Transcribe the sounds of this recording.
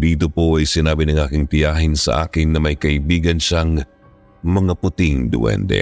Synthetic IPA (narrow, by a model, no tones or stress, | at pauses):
d̪iːt̪̬opoʔɐjsɪnaːbinɐŋʔaːkɪŋt̪ɪjaːɦɪnsɐ̰ʔa̰ːkɪnːɐmɐjkɐʔɪbiːɡɐnʃaŋ | mɐŋapʊt̪ɪŋd̪ʊ̰ʔɛ̰nd̪ɛ̰